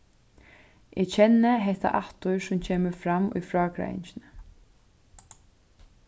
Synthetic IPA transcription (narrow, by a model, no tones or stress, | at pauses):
ʔɛcʰɛnːəɦɛht̪a̰ʔaht̪ʊɹsʊmcʰeːməfɾamʊ̰jfɾɔːkɾa̰ɪ̰nt͡ɕɪnə